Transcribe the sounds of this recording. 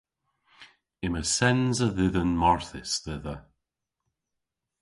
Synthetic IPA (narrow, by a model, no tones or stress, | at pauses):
ɪməsɛnzəðɪðənmɔɹθɪsðɪðə